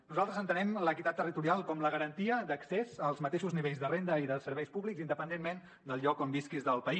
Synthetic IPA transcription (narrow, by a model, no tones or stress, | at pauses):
nuzalˠt̪ɾəzənt̪ənɛmləkit̪at̪ːərit̪uɾialˠkɔmləɣəɾənt̪iəd̪əksezəlˠzmət̪eʃuzniβeʎzðərend̪əiðəsəɾβɛjspuβlikzind̪əpənd̪enmen | d̪əlˠʎɔkombiskizðəlˠpəi